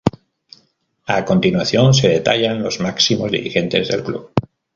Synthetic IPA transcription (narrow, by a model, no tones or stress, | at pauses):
ako̞nt̪inwaθjo̞ns̬e̞ð̞e̞t̪aʎanlo̞zmaksimo̞zðḭɾixẽ̞nt̪e̞zðe̞̰lkluβ